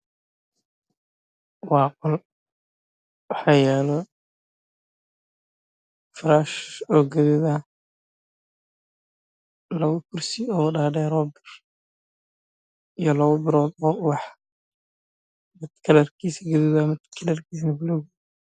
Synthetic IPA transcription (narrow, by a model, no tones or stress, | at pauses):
wɑːqɔl | wɑħaːjɛːlɔ | fɾaːʃɔːɡɐðɪða | lɐwɐkʰʊrsɪɔːɖaːɖɛɾɔːbɪr | ijɔlɐwɐbɪɾɔːd̪ɔːwɑħ | mɪd̪kʰɐlɐrkʰiːsɐɡɐðɪðɐmɪd̪kʰɐlɐrkʰiːs̬nɐbɪlɔɣ